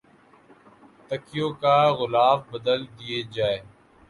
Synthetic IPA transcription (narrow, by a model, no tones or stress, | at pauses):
t̪əkɪjõːkaːɣʊlaːfbəd̪əld̪ijeːd͡ʒaːeː